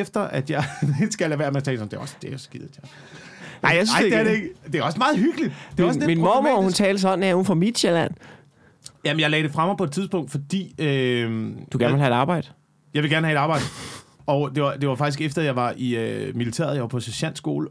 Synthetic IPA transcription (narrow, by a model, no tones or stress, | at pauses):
efd̥ɐʔæd̥jɑ̈ɪ̥sɡ̥ælhæʋæɐ̥mæt͡sʰɛːlsɒ̽md̥e̝ɐɒ̽sd̥eæjsɡ̥ið̥ˠʰjɑ | ɑ̈ɪasnɑ̈ɪ̰deæɐɾeeɡ̥d̥e̝æɒ̽smɑ̈ːð̞̩ˠhyɡ̥əlid̥eæɒsleminmɒmohunt͡sʰɛːləs̬ɒ̽d̥n̩æhun̩fɒmid̥ɕelæn̰ | jæmenjɑ̈ɪlɛːɾ̥e̝fʁɑ̈mɑpʰɒd̥̚t͡sʰiðˠsb̥ɔ̽ŋ̰d̥fɒ̽d̥ḭːø | d̥uɡ̥æɐnʋelɦæ̝dɑ̈ːb̥ɑ̈ɪ̰d̥ə | jɑɪʋe̝ɡæɐnəhæe̝ɾ̥ɑb̥ɑ̈ɪ̰dəɒ̽d̥e̝ʋɑ̈d̥e̝ʋɑ̈fɑ̈ɡ̥isɡ̥efd̥ɐæjɑ̈ɪʋɑ̈ʔiømilit͡sʰḛːɐ̰ð̞ˠjɑɪʋɑpʰɒ̽sæɕæn̰sɡ̥o̝̰ːlə